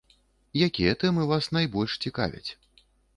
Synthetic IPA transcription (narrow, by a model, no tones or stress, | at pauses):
jakʲijɛt̪ɛmɨvasnajbɔlʲʂt͡sʲika̰vʲɐ̰t͡sʲ